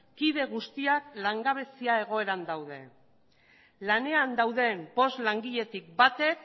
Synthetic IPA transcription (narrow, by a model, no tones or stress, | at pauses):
kiðe̞ɣ̞ust̪iaklaŋɡaβ̞e̞siae̞ɣ̞o̞e̞ɾand̪awð̞e̞̰ | lane̞and̪awðe̞mpo̞zlaŋɡiʎe̞t̪ik̚bat̪e̞k